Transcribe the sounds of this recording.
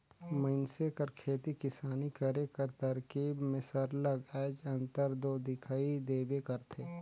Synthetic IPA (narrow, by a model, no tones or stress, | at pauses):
məɪnsekɐɾkʰeːt̪ikɪsaːnikəɾekɐɾt̪əɾkiːbmẽsəɾləɡɛːd͡ʒɐ̃nt̪əɾd̪oːd̪ɪkʰaːid̪eːbekɐɾt̪ʰeː